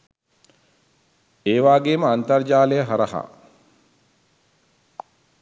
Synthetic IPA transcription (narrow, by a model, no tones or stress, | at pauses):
eːʋaːɡeːməant̪ɐrd͡ʒaːlejəɦɐɾɐha̰